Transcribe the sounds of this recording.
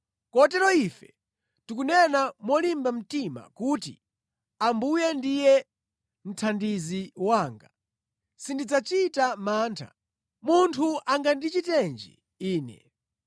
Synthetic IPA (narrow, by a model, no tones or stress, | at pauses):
kɔtɛɾɔifɛ | tukunɛnamwɔlimbam̩tima̰kuːtḭ | ambujɛndijɛ | n̩tʰandiziwaːŋɡa | sindid͡zat͡ʃitamaːntʰa̰ | muntʰuʔaŋɡandit͡ʃitɛnd͡ʒḭ | iːnɛ̰